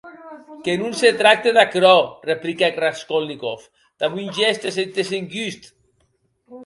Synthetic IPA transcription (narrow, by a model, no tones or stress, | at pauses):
kenunset̪ɾak̚t̪eðakɾɔreplikaɡraskolnikof | d̪̥aβunʲʒɛst̪eset̪eseŋɡyst̪